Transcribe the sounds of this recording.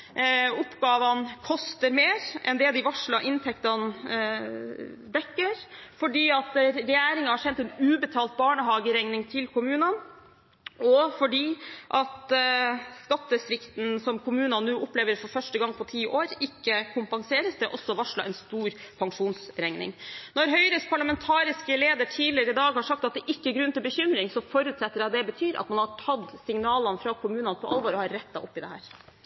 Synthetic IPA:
ʊpːɡɑːʋɑnkʰɔst̪əɾmeːɾʔɛnd̪ɛd̪ɪʋɑʂɭɑʔɪnt̪ʰɛkt̪ɑn | d̪ɛkːəɾfɔɖiːɑt̪ɾɛjæːɾɪŋəhɑɾʂɛnt̪ɛnʉːbət̪ʰɑːlt̪̚bɑːɳəɦɑːɡəɾɛŋnɪŋt̪ʰɪlkʊmʉːnɑn | ɔfɔɖiːʔɑt̪ | skɑt̪ːəsɾɪkt̪n̩sɔmkʰʊmʉːnɑnnuːʔʊpleːʋəɾfɔɾfœʂʈəɡɑŋːpʰɔt̪ʰiːʔoːɾɪkːəkʰʊmpɑŋseːɾəsd̪ɛʔɔsːɔʋɑʂlɑ̰ʔɛnst̪uːɾpʰɑŋʂuːnsɾɛŋnɪ̰ŋnɔɾɦœʏɾəspʰɑɭɑmɛnt̪ʰɑːɾɪskəleːd̪əʈʰiːlɪəɾɪd̪ɑːɡhɑʂɑkt̪ɑt̪̚d̪ɛʔɪkːəɾɡɾʉnt̪ɪlbəçʏmɾɪŋsɔfɔɾʉːt̪sɛt̪ːəɾɑd̪ɛbət̪ʰyːɾʔɑ̰t̪mɑnhɑʈʰɑd̪sɪŋnɑːlɑnfɾɑkʰʊmʉːnɑnpʰɔʔɑ̰lʋoːɾɔhɑɾːɛt̪ːɑʔʊpːɪd̪ɛhæ̰ːɾ

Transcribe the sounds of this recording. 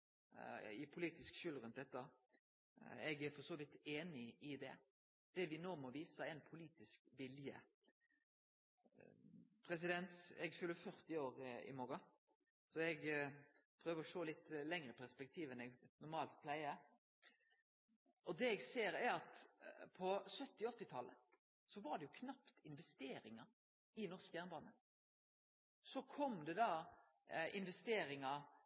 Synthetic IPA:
ɪpʰʊliːt̪ɪskʃʏlɾʉnt̪̚d̪ɛt̪ːə | ɛɡæɾfɔsoːʋɪt̪eːnɪɪd̪ɛ̰ | d̪̥ɛʋɪnoːmɔʋiːsəɛnpʰʊliːt̪ɪskʋɪljə̰ | pʰɾɛs̬ɪd̪ɛnt̪ɛ̰ɡfʉlːəfœʁt̪ɪoːɾɪ̰moːɾɑ | sɔɛɡ | pʰɾøːʋəɾɔʃoːlɪt̪lɛŋɾəpʰæʁspɛk̚t̪ʰiːʋɛnɛɡnʊʁmɑːlt̪̚pʰlæɪə | ʔɔd̪ɛɛɡseːɾæɾɑt̪pʰɔsœt̪ːɪɔt̪ːɪt̪ʰɑlːə | sɔʋɑɾɖ̪ɛjʊkʰnɑpt̪ɪnʋɛst̪eːɾɪŋɑ | ɪnɔʁskəjæːʁnbɑːnə | sɔkʰɔmd̪ɛd̪ɑ | ʔɪnʋɛst̪eːɾɪŋɑ

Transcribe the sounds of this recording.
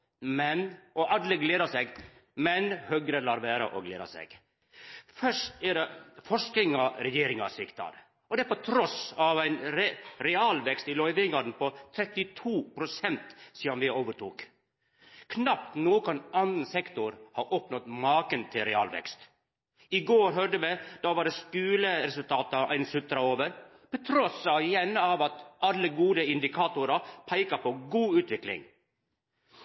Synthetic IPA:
mɛnʔɔʔɑd̪ləɡleːd̪ɑsɛɡ | mɛnhœɡɾəlɑːɾʋæːɾə̰ʔɔ̰ɡlḛːd̪ɑ̰sɛ̰ɡ̥ | fœʂt̪ædɛfɔʂkɪŋɑɾɛjeːɾɪŋɑsɪkt̪ɑ̰d̪ | ɔd̪ɛæpɔt̪ʰɾɔsɑʋæɪnɾɛɾɛɑːlʋɛkst̪ɪlɔʏʋɪŋɑd̪n̩pʰɔt̪ʰɾɛt̪ːɪt̪ʰuːpʰɾʊsɛnt̪siːd̪ɑnʋɪoːʋəʈʰuːk | kʰnɑp̚t̪nuːkɑnɑnənsɛkt̪ʊɾhɑːʔoːpnɔt̪mɑːkənt̪ʰɪlɾɛɑ̰ːlʋɛ̰kst̪ | ɪɡoːɾɦœɖəʋɛd̪ɑːʋɑːɖɛskʉːləɾɛsʉlt̪ʰɑːt̪ɑʔæ̰ɪnsʉt̪ɾɑoːʋəɾ | pɛt̪ʰɾɔsɑʋɪjɛnːəɑːʋɑt̪ʔɑlːəɡuːd̪əɪnd̪ɪkʰɑːt̪ʊɾɑpʰæɪkɑpʰoːɡuːʉːt̪ʋɪklɪ̰ŋ

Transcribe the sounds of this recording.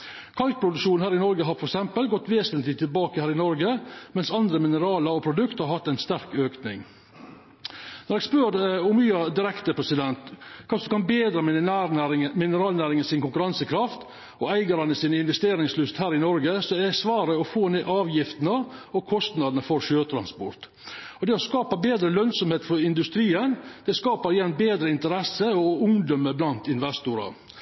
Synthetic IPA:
kʰɑlt̪̚pʰɾʊd̪ʉkʂuːn̩hæːɾɪnɔɾɡəɦɑɾfɔɾɛksɛmpəlɡɔt̪ːʋeːsənt̪lɪt̪ʰɪlbɑːkəhæːɾɪnɔɾɡəmɛnsɑnd̪ɾəmɪnəɾɑːlɑɾɔpʰɾʊd̪ʉkt̪hɑɾhɑt̪ːæɪnst̪æɾkøːknɪ̰ŋ | nɔɾɛspøːdʊmyːɑd̪ɪɾɛkt̪əpʰɾɛsɪd̪ɛnt̪kʰɑːsɔmkɑnbeːd̪ɾə | mɪnəɾɑːlnæːɾɪŋəsɪnkʊŋkʉɾɑnsəkʰɾɑft̪ | ɔæɪɡɑɾɑnəsiːnəɪnʋɛst̪eːɾɪŋslʏst̪hæːɾɪnɔɾɡəsɔɛsʋɑːɾəɔfoːneːʔɑːʋjɪft̪n̩əɔkʰɔst̪nɑd̪ənəfɔɾʃøːt̪ʰɾɑ̰nspɔ̰ɾt̪ | ɔd̪ɛɔskɑːpɑbeːd̪ɾəlœnsɔmheːt̪fɔɾɪnd̪ʉst̪ɾiːənd̪̥ɛskɑːpəɾɪjɛnːbeːd̪ɾəɪnt̪əɾɛsəɔʊŋd̪ɔməblɑnt̪ɪnʋɛst̪ʊɾɑ̰

